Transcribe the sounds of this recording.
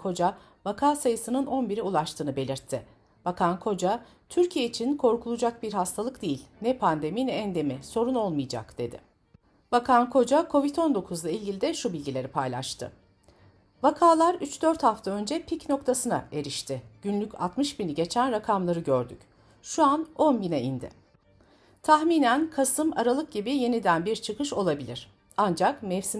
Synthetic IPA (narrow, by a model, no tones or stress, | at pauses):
kʰo̞d͡ʒa | vakʰaːsajɯsɯnɯno̞nbiɾiulˠaʃt̪ʰɯːnɯbe̞lʲiɾt̪ʰːɪ | vakʰankʰo̞d͡ʒa | t̪ʰyɾcʰijeit͡ʃʰinkʰo̞ɾkʰulˠud͡ʒak̚biɾɦast̪ʰalˠɯkd̪ejilʲnɛpʰand̪e̞mijnɛnd̪e̞miso̞ɾuno̞lˠmɯjd͡ʒa̰kd̪̥e̞d̪ɪ̰ | vakʰankʰo̞d͡ʒakʰo̞vit̪ʰo̞nd̪o̞kʰuzlˠailʲɟilʲid̪ɛʃubilʲɟilʲe̞ɾipʰajlʲˠa̰ʃt̪ʰɯ̰ | vakʰaːlˠaɾyt͡ʃd̪øɾt̪haft̪ʰaø̞nd͡ʒɛpʰicno̞kt̪ʰasɯna̰e̞ɾiʃt̪ʰɪɟ̥ynlʲycʲʰa̰t̪mɯʃbiniɟe̞t͡ʃʰænɾakʰamlˠaɾɯɟøɾd̪yc | ʃuano̞nbinɛind̪ɪ̰ | t̪ʰaxmiːnænkʰasɯma̰ɾalˠɯk̚ɟibije̞nid̪ænbiɾt͡ʃʰɯkɯʃo̞lˠabilʲiɾ̥ | and͡ʒakmɛfsi